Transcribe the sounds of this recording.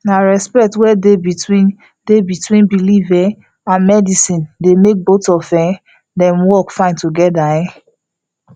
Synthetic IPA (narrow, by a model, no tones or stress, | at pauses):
naɹɛspɛk̚twɛdebitwĩn | debitwĩnbilivɛ | ãnmɛdisĩndemek̚botɔfɛ̃ | dɛ̃mwɔkfãɪ̃ntuɡɛdajɛ̃